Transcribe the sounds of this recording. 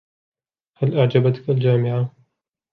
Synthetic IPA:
halʔaʕd͡ʒabat̪kald͡ʒaːmɪʕa

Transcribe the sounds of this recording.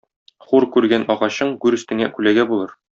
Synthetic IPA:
χuɾkʉɾɡænɒʁɑɕɤɴɡʉɾɵ̆st̪ɘ̆ŋæ̰kʉlæɡæbulˠɤɾ

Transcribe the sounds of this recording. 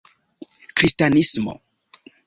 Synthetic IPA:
kɾistanismo̰

